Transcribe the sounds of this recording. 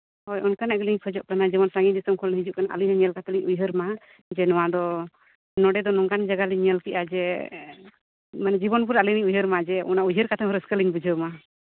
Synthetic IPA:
hɔjɔnkanɛʔɡəliɲkʰɔd͡ʒɔʔkanad͡ʒɛmɔnsaŋɡid̪isɔmkʰɔlɦid͡ʒuʔkanaʔa̰liɦaɲəlkat̪ʰɔliɲujɦəɾma | d͡ʒɛnɔwad̪ɔ | nɔɖɛd̪ɔnɔŋɡand͡ʒaɡaliɲəlkiʔad͡ʒɛ | manɛd͡ʒibɔnpuɾaliniɲujɦəɾmad͡ʒɛʔɔ̰naujɦəɾkat̪ʰɔmɾəskəliɲbud͡ʒʱəma

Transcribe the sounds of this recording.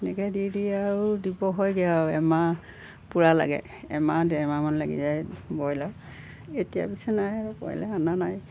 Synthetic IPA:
nɛɡɛdidiaɹudibɔɦɔjɡɛaɛma | puɹala̰ɡɛ̰ | ɛmadɛɹmamanlaɡḭzajbɔjlaw | etija̰pisɛnajaɹukɔ̰jɛ̰lɛananaj

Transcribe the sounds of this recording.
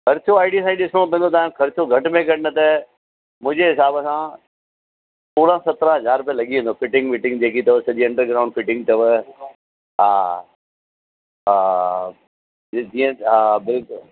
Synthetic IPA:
kʰɐɾt͡ɕʰoaːɪɖisãiɖɪsõpẽːnd̪ot̪ãːkʰɐɾɪt͡ɕʰoɡʱɐʈmẽkɐʈnɐt̪e | mʊ̃ɦd͡ʑeɦɪsaːbəsã | suːɽãsɐt̪ɾaɦɐzaːɾp̬ijəlɐɠiẽnd̪ofɪʈɪ̃ŋɡmɪʈɪ̃ŋɡd͡ʑeːkit̪ɐʋəsɐʄiɐ̃ɳɖəɾɡɾaːʊ̃ɳɖfɪʈɪ̃ŋɡ̚t̪ɐʋə | ɦaː | ɦa | d͡ʑiːə̃ɦabɪlk

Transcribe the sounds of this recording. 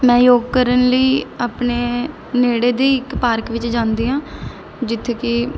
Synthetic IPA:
mɛ̃ːjoːɡ̚kəɾənləiːaːpneː | neːɽeːd̪eːɪkpaːɾkʋɪt͡ʃd͡ʒãːnd̪iːɦãː | d͡ʒɪt̪ʰːeːkɪ

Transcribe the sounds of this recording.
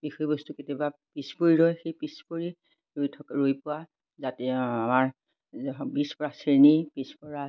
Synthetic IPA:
bixɔjbɔstuketiɔbapispoɹiɹɔjxejpispoɹi | ɹojtʰɔkaɹojpʊwa | zateamaɹ | bispɔɹasinipispɔɹa

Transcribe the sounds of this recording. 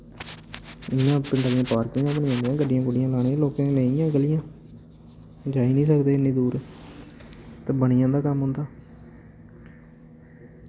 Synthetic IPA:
ɪjãːpəɳɖaːlijãːpaːɾkɪ̃ŋãːbənĩãnd̪ijãːɡəɖːɪjãːkʊɖɪjãːlãːẽːloːkãːnẽijãːɡəlɪjãː | d͡ʒaːiːnĩːsəkd̪eːɪnːĩːd̪uːɾ | t̪ẽːbənɪjãːd̪aːkəmɦʊ̃ːnd̪aː

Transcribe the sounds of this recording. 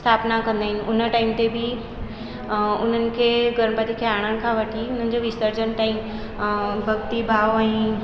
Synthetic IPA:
st̪ʰapnakənd̪aɦinun̤əʈaimt̪ebʱi | ʊn̤ənɪ̆kʰeɡəɾməpat̪ikʰeaɽ̃əñkʰãʋəʈʰiun̤ən̆d͡ʑoʋist̪əɾd͡ʑənʈaim | bʱəɡt̪ibʱaʋoãĩ

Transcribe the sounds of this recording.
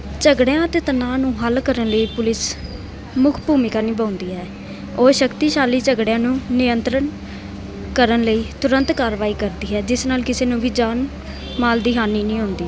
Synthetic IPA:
t͡ʃəɡɽejãːt̪eːt̪ənaːnũːɦəlkəɾənləiːpʊlɪs | mʊkʰbuːmɪkaːnĩːbãːnd̪iːɦɛː | oːʃəkt̪iːʃaːliːt͡ʃəɡɽejãːnũːnɪjənt̪ɾən | kəɾənləiːt̪ʊɾə̃nt̪kaːɾʋaːiːkəɾd̪iːɦɛːd͡ʒɪsnaːlkɪseːnũːʋiːd͡ʒaːn | maːld̪ɪɦaːniːnĩːɦõːnd̪iː

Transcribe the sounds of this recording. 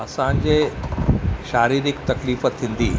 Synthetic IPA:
ɐsãɲd͡ʑe | ʃaːɾiːɾɪkt̪ɐkliːfət̪ʰĩːn̆d̪iː

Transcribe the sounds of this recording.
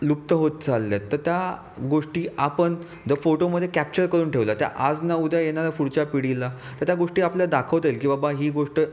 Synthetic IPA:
lup̚t̪əɦot̪̚t͡salːjet̪ːəɾt̪ja | ɡoʂʈiːapəɳ | d͡zəfoʈoməd̪ʱjekæp̚t͡ɕəɾkəɾuːnʈʰeʋlat̪ja̰ʔad͡znaud̪ʱjajenalafuɽt͡ɕapiɽilːa | t̪əɾt̪jaɡoʂʈiːapljad̪akʰəʋt̪ejlkĩʋabaɦiːɡoʂʈə

